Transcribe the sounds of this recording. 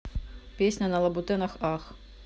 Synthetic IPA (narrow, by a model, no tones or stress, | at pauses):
pʲesʲnʲɐnɐlˠɐbʊt̪ɪnɐxɑx